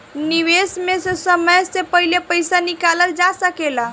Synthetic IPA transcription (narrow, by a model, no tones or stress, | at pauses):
niʋesmesesəməjsepəɦilepəjsanikaləld͡ʒasəkela